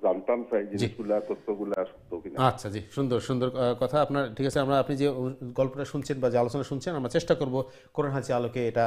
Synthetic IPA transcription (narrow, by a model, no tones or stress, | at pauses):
zant̪ansajd͡ʑed͡ʑiɡulat̪ot̪ːoɡulaʃu̥t̪ːokinaatːʃʰad͡ʑiʃund̪oɾʃund̪oɾkɔt̪ʰaapnaɾʈʰikat͡ɕʰeamɾaapnid͡ʑeɡɔlpoʈaʃunt͡ɕʰenbad͡ʑealot͡ɕonaʃunt͡ɕʰenamɾat͡ɕeʃʈakoɾbo | koɾeɦãt͡ɕʰialokeeʈa